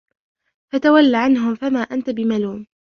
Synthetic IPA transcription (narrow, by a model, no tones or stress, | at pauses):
fat̪awalːaʕanɦʊmfamaːʔant̪abɪmaluːm